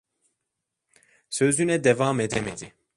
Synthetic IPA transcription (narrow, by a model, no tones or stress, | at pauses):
søzynɛd̪ɛvaːmed̪ɛmɛd̪i